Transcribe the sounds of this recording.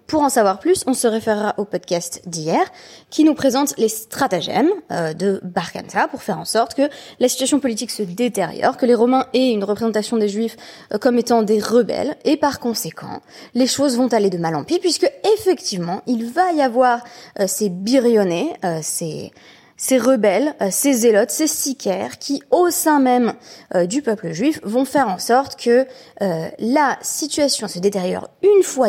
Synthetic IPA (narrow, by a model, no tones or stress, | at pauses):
puʁɑ̃savwaʁplysɔ̃səʁefeʁːaʔopɔd̪kʲast̪d̪ijɛʁkʲinupχezɑ̃t̪lest̪χat̪aʒɛ̰mød̪əbaʁka̰nt̪apuʁfɛʁɑ̃sɔʁt̪kəlasi̥t̪yasjɔ̃pɔlit̪iksəd̪et̪eʁjɔ̰ʁkəleʁɔmɛ̃ɛynʁəpχezɑ̃t̪asjɔ̃d̪eʒɥifkɔmet̪ɑ̃d̪eʁəbɛ̰lepaʁkɔ̃sekʰɑ̰̃leʃozvɔ̃t̪aled̪əmalɑ̰̃pipɥiskəefɛkt̪ivmɑ̃ʔilvajavwaʁsebiʁjɔneøsḛ | seʁəbɛløsezelɔt̪sesikʰʲɛʁkʲʰiosɛ̃mɛmød̪ypœpləʒɥifvɔ̃fɛʁɑ̃sɔʁt̪kʰəølasit̪ɥasjɔ̃səd̪et̪ɛʁjɔ̰ʁynfwa